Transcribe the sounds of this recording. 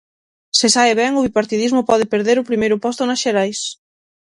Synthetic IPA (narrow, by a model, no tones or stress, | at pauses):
sɪsaɪβɛŋʊβipaɾt̪iðizmʊpɔðɪpeɾðeɾʊpɾimejɾʊpɔst̪ʊnɐsʃeɾajs